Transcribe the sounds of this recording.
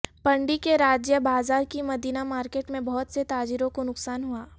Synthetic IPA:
pɐ̃ɳɖikeɾaːd͡ʒjəbaːzaːɾkimɐd̪ʱiːnamaːɾkeːʈmẽbɔɦɔt̪set̪aːd͡ʒiɾõkonʊksaːnɦuaː

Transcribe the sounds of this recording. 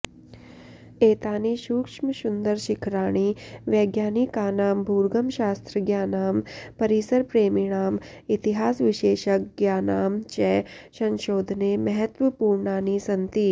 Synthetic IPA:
eːt̪aːniːʃuːkʂməʃund̪əɾʃɪkʰɾaːɽ̃iːʋjɛːɡjaːnikaːnaːmbʱuːɾɡəmʃaːst̪ɾəɡjaːnaːmpɐɾisəɾpɾeːmiɽ̃aːm | it̪iɦaːsʋɪʃeːʃək̚ɡjaːnaːmt͡ʃɛːsɐ̃nʃoːd̪ʱnemɐɦət̪ʋəpuːɾɳaːniːsɐnt̪iː

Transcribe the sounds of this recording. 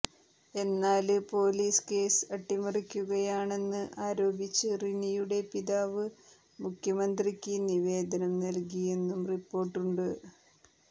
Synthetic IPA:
e̞nːaːlpo̞ːliːske̞ːsɐʈːimɐrikʲːuɣɐjaːɳe̞nːɨʔaːɾo̞ːbit͡ɕːɨrinijuɽe̞piðaːʋɨ | mukʰjɐmɐnd̪rikʲːiniʋe̞ːd̪ɐnɐmnɐlkije̞nːumripːo̞ːrʈːuɳɖɨ

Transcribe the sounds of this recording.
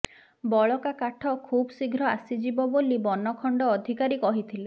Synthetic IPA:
bɔɭɔkakaʈʰɔkʰubɔsiɡʱɾɔasid͡ʒibɔbolibɔnɔkʰɔɳɖɔːd̪ʱikaɾikɔɦit̪ʰile

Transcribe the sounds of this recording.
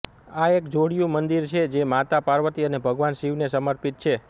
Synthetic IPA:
aekd͡ʒoɽijũmənd̪iɾt͡ʃʰed͡ʒemat̪apaɾʋət̪iənebʱəɡʋanʃiʋnesəməɾpit̪̚t͡ʃʰe

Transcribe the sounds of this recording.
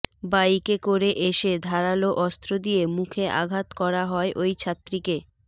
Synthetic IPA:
bajkekoɾeʔeʃed̪ʱaɾaloʔɔst̪ɾod̪ijemukʰeʔa̰ɡʱat̪kɔɾaɦɔeʔojt͡ɕʰat̪ːɾike

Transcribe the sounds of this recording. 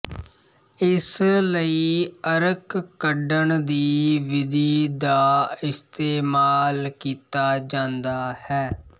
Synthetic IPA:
ɪsləiːəɾəkːəɖəɳd̪iːʋɪd̪iːd̪aːɪst̪eːmaːlkiːt̪aːd͡ʒãːnd̪aːhɛː

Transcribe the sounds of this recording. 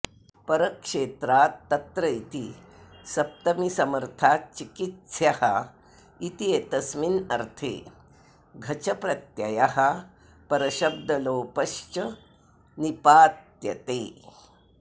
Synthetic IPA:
pɐɾəkʂeːt̪ɾaːtːɐt̪ɾəit̪i | sɐp̚t̪ɐmisɐməɾt̪ʰaːt͡ʃikit̪sjaha | it̪iet̪ɐsminɐɾt̪ʰḛ | ɡʱɐt͡ɕɐpɾɐt̪jɐ̰jaha | pɐɾɐɕɐb̚d̪ɐloːpəʃt͡ʃɐ | nipaːt̪jɐ̰t̪eː

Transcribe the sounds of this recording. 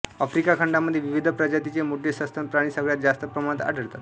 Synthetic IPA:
əfɾikakʰəɳɖamːəd̪ʱjeʋiʋid̪ʱəpɾəd͡ʑat̪it͡semuɖʱːesəst̪ʰənpɾaɽ̃iːsəɡɭjat̪d͡zast̪əpɾəmaɽ̃ət̪a̰ɖʱəɽt̪at̪

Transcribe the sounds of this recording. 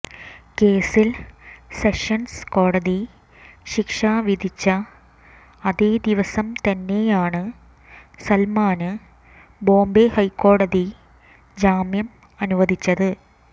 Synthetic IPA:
ke̞ːsilseʂɐnsko̞ːɽɐði | ɕikʂaːʋid̪ʱit͡ɕːɐ | ɐðeːd̪iʋɐsɐmt̪ɐnːe̞jaːɳɨ | sɐlmaːnɨ | bo̞ːmbehɐjkːo̞ːɽɐði | d͡ʑaːmjɐm | ɐnuʋɐd̪ʱit͡ɕːɐðɨ

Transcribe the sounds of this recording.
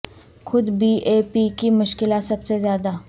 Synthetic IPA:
xʊd̪biʔeːpikimʊʃkɪlasɐbsezjaːd̪a

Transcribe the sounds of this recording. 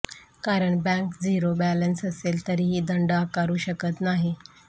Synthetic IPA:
kaɾəɳbɛ̃ŋkd͡ziɾobælənsəselt̪əɾiːɦiːd̪əɳɖakaɾuːɕəkət̪naɦi

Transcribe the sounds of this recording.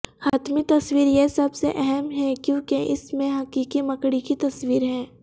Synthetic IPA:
haːt̪mit̪ɐswiːɾjesɐbseʔɛɦɛmɦɛkjõːkeʔɪsmẽɦɐkiːkimɐkɽikit̪ɐswiːɾɦɛ̃ː

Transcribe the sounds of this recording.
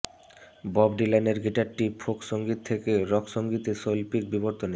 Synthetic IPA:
bɔbɖilaneɾɡiʈaɾʈipʰokʃoŋɡit̪ʰːekeɾɔkʃoŋɡit̪eʃolpik̚biboɾt̪one

